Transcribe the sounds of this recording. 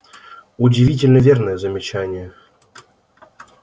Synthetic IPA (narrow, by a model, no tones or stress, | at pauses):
ʊdʲɪvʲit̬ʲɪlʲnəvʲernəjəzəmʲɪt͡ɕænʲɪjə